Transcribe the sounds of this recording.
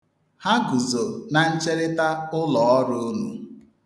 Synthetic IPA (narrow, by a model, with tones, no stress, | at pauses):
ha˦ɡu˨zo˨na˨n̩˦t͡ʃe˦ɾɪ˦ta˦ʊ˦lɔ˨ɔ˦ɾʊ˦nṵ˨